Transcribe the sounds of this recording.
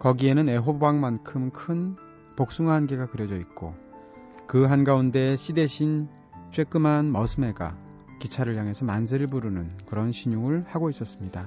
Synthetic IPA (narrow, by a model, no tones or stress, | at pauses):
kʌɡie̞nɯne̞ɦobaŋmankʰɯmkʰɯn | pok̚s͈uŋaɦanɡe̞ɡakɯɾjʌd͡ʑʌit̚k͈o | kɯɦanɡaunde̞ɕʰide̞ɕʰin | t͡ɕ͈ʰwe̞k͈ɯmanmʌsʰɯme̞ɡa̰ | kit͡ɕʰaɾɯɭjaŋɦe̞sʰʌmand͡ʑʰɯɯɭbuɾunɯnkɯɾʌnɕʰiɲuŋɯɭhaɡois͈ʌs͈ɯmɲida